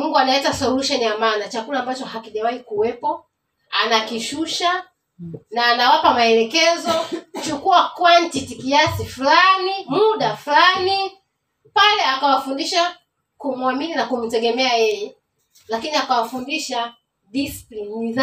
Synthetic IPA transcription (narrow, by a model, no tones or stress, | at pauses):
muŋɡuanaɛtasɔluʃɔnijamanat͡ʃakulaːmbat͡ʃɔhakiʄawaikuwɛpɔ | anakiʃuʃa | naːnawapamaɛlɛkɛzɔt͡ʃukuakwantitikiasifulanimuɗafulani | palɛakawafundiʃa | kumuamininakum̩tɛɠɛmɛajɛjɛ | lakiniakawafundiʃa | ɗisi̥plimniz